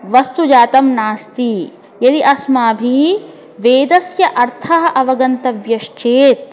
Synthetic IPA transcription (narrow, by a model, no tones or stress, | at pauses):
ʋɐst̪ud͡ʒaːt̪ɐmnaːst̪i | jɐd̪iʔɐsmaːbʱi | ʋeːd̪ɐsjɐʔɐɾt̪ʰɐɦɐʔɐʋɐɡɐnt̪ɐʋjɐʃt͡ʃeːt̪̚